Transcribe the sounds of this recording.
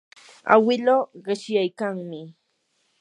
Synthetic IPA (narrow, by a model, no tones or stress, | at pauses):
a̰wɪloːɢɪʃjajkaŋmɪ